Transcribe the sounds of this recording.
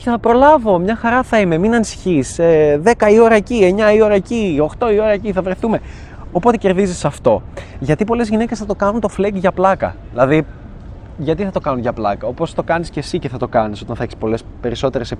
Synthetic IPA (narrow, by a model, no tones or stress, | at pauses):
çeθɐpɾo̞lɐvo̞mɲɐxɐɾɐθɐime̞minɐnisi̥çiseðe̞kɐio̞ɾɐecie̞ɲɐio̞ɾɐecio̞xt̪o̞io̞ɾɐeciθɐvɾe̞θume̞ | opo̞t̪e̞ce̞ɾðizisɐft̪o̞ʝɐt̪ipo̞le̞zʝine̞cesθɐt̪o̞kɐnunt̪o̞fleɡʝɐplɐkɐ̰ðilɐði | ʝɐt̪iθɐt̪o̞kɐnunʝɐplɐ̰kɐo̞post̪o̞kɐnisce̞sice̞θɐt̪o̞kɐniso̞t̪ɐnθɐeçe̥spo̞le̞spe̞ɾiso̞t̪eɾe̞sep